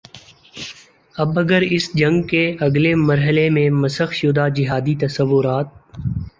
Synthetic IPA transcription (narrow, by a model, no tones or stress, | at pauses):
ɐbɐɡəɾɪsd͡ʒɐ̃ŋɡkeɐɡlemɐɾɦəlemẽmɐsəxʃʊd̪ad͡ʒɪɦaːd̪it̪ɐsəʋːʊɾaːt̪̚